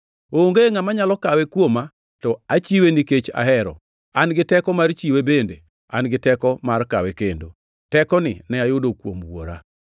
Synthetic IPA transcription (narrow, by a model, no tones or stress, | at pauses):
oŋɡeŋamaɲalɔkawɛkwoma | tɔat͡ʃiweniket͡ʃa̰ɦɛɾɔ̰ | anɡɪtɛkɔmart͡ʃiwebende | a̰nɡɪtɛkɔmarka̰wɛkendo̰ | tɛkɔnɪ̰nɛajʊdokwo̰mwo̰ɾa̰